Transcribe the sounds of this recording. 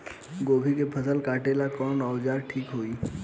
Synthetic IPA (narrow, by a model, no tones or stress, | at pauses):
ɡoːbʱikepʰəsəlkaːʈelakɔːnɔːʋd͡ʒaːɡʈʰiːkɦoːiː